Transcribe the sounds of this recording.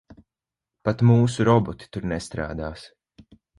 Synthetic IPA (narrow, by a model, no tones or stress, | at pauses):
pat̪muːsuɾɔbɔt̪i̥t̪uɾnɛst̪ɾa̰ːd̪aːs